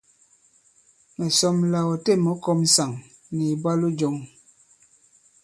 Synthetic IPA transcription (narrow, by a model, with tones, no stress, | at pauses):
mɛ˨sɔ˦mla˨wɔ˨te˦˨mɔ˨˦kɔ˦m̩˦sa˨ŋ | ni˨bwa˦lu˦d͡ʒɔ˦ŋ